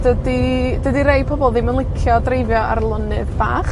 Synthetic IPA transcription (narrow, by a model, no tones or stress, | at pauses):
d̥ədidədiɾejpʰɔbɔlˠðiːmənlˠɪkʰjɔdrejvjɔa̰rlˠʊnɨðb̥aːχ